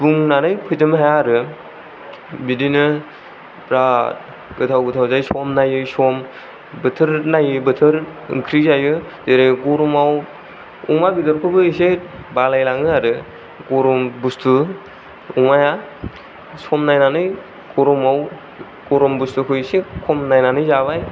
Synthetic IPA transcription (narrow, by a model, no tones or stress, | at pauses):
buŋnanɯjpʰɯjdɯmhajaːɾɯ | bidinɯ | pɾat̚ | ɡɯtʰawɡɯtʰawzajsɔmnajɯsɔm | bɯtʰɯɾnajɯbɯtʰɯɾɯ̰ŋkʰɾizajɯ | deɾɯjkɔɾumaw | ṵŋabidɔɾkʰubɯisebalajlaŋɯaɾɯ | ɡoɾumbustʰu | uŋaja | sɔmnajnanɯj | kɔɾɔmaw | kɔɾɔmbustukʰujsekʰɔmnajnanɯjzaβaj